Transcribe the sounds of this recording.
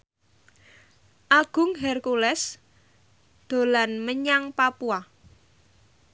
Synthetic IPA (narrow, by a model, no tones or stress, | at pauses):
ʔaɡ̥ʊ̤ŋɦɛrkulɛs | d̪̥o̤lanməɲaŋpapua